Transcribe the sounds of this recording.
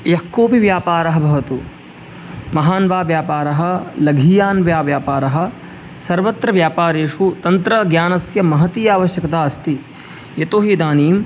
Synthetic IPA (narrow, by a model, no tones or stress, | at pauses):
jɐkːoːpiʋjaːpaːɾɐɦɐ̆bʱɐʋɐt̪u | mɐɦaːnʋaːʋjaːpaːɾɐɦɐ̆lɐɡʱijaːnʋjaːʋjaːpaːɾɐɦɐ̆ | sɐɾʋɐt̪ɾɐʋjaːpaːɾeːʂut̪ɐnt̪ɾɐɡjaːnɐsjɐmɐɦɐt̪iːjaːʋɐʃjɐkɐt̪aːɐst̪i | jɐt̪oːɦid̪aːniːm